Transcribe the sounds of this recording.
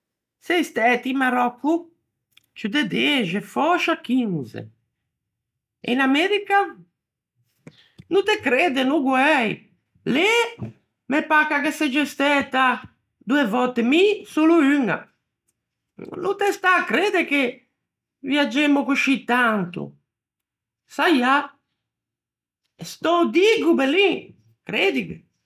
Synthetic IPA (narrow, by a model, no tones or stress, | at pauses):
sejst̪ɛt̪imaɾɔkːu | t͡ʃud̪ed̪eʒefɔʃakinzḛ | ḛnamɛɾika | nut̪ekɾed̪enuɡuɛj | le | mepakakesed͡ʒest̪ɛt̪a | d̪uevɔt̪ːemisoluyŋa̰ | nut̪est̪akɾed̪eke | vjad͡ʒemʊkuʃit̪ant̪ṵ | saja | est̪ɔd̪iɡubeli | kɾed̪ikḛ